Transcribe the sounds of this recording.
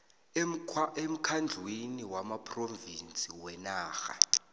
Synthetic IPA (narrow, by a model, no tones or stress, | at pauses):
em̩kʰand͡ɮʱweniwamapʰʼrovint͡sʼiwɛnaːxa̰